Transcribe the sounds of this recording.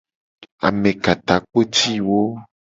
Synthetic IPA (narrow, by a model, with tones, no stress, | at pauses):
a̰˨mẽ˨ka˨t̪a˨k͡po˦t̪i˦wo˦